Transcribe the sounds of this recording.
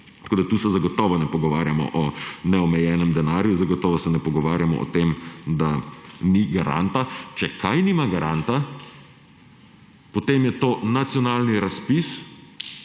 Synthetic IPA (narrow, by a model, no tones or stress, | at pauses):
t̪ɐ̥koːd̪at̪uːsɛzaɡɔt̪ɔːʋɔnɛpɔɡɔʋaːɾjamɔ̰ʔɔnɛɔmɛjɛnɛmd̪ɛnaːɾjuzaɡɔt̪ɔːʋɔsɛnɛpɔɡɔʋaːɾjamɔ̰ʔɔ̰t̪eːmd̪aniɡaɾa̰nt̪at͡ʃɛkʰajnimaɡaɾʔant̪a | pɔt̪eːmjɛt̪oːnat̪sjɔnaːlniɾaspis